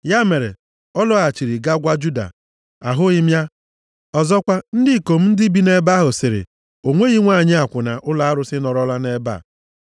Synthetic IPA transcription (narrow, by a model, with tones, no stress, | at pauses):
ja˦me˨ɾḛ˨ | ɔ˦lɔ˦a˨t͡ʃi˨ɾi˨ɡa˦ɡʷa˦d͡ʒu˦da̰˨ | a̰˨ɦʊ˦ɪ˦m˦a˦ | ɔ˨zɔ˦kʷa˦n̩˦dɪ˦˨ko˨m̩˦n̩˦dɪ˦bi˦ne˦ba˦ɦʊ˨sɪ˨ɾɪ̰˨ | o˨ŋʷe˦ɣi˦ŋʷa˦˨ɲɪ˦a˨kʷʊ˨na˨ʔʊ˦la˦a˦ɾʊ˦sɪ˦nɔ˨ɾɔ˦la˦ne˦ba̰˦˨